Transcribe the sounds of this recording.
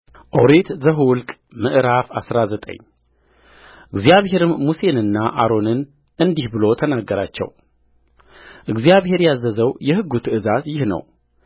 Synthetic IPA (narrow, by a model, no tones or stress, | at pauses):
ʔo̰ɾet̪zəɦwʊlkʼ | mɨʔɾafasɾazət̪ʼə̰ɲː | ʔɨɡzijaβɦe̞ɾɨnmuse̞nɨnːaʔaɾo̞nɨn | ʔɨnd̪ihbɨlo̞t̪ʰənaɡːəɾa̰t͡ʃːɛ̰w | ʔɨɡzijaβhe̞ɾjazːəzəwjɛhɨɡːut̪ʰɨʔɨzat̪jɪhnə̰w